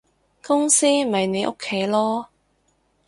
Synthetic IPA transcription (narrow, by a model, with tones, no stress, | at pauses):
kʊ˥ŋsiː˥˨ɐ˨jne˨˧jʔo̰˥kʰːe˨˥jlɔː˥